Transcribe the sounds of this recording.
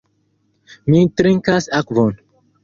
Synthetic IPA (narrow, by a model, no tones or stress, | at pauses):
mitɾeŋkasakvon